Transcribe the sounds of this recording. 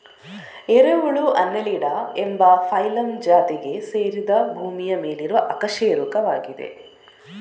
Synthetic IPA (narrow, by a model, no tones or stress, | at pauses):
eɾeʋuɭuʔɐnːɐliɖaembɐpʰɐjlɐmd͡ʒaːt̪iɡe̞seːɾid̪ɐbʱuːmijɐme̞ːliɾuʋɐʔɐkɐʂeːɾukɐʋaːɡid̪e̞̰